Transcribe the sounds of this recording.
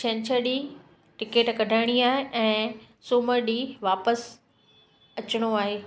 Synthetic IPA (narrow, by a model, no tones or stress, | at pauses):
t͡ɕʰɛ̃ɲt͡ɕʰəɾɗiː | ʈɪkeːʈkɐɖʱaːɪɽ̃iaːɦeʔɛ̃ː | suːməɾɗiːʋaːpəs | ɐt͡ɕɪɽ̃oaːɦeː